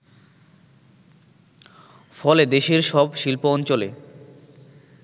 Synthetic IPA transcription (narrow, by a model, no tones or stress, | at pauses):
fɔled̪eʃeɾʃɔbʃilpoɔnt͡ɕolḛ